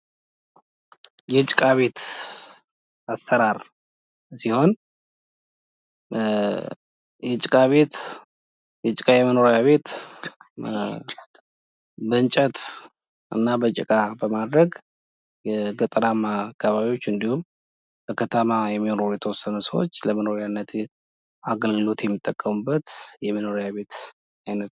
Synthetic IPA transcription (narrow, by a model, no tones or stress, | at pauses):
jɛt͡ʃʼɪkʼaβe̞t̪ | asːəɾaɾ | siho̞n | jɛt͡ʃʼɪkʼaβe̞t̪ | jɛt͡ʃʼɪkʼajɛməno̞ɾjaβe̞t̪ | bəɨnt͡ʃʼət̪ | ʔɨ̰nːabət͡ʃʼɪ̰kʼabəmad̪ɾəɡ | ɡət̪ʼəɾamakʰːaβaβiwo̞t͡ʃːɨnd̪ihum | b̥əkʰət̪ʰəmajɛmːinoɾujet̪ʰəwɔsːənəsəwo̰t͡ʃːləməno̞ɾjanːət̪ | aɡəlɡɨlo̞t̪jɛmːɨt̪ʼːəkʼːəmubːət̪jɛməno̞ɾjaβe̞t̪ | ajnət̪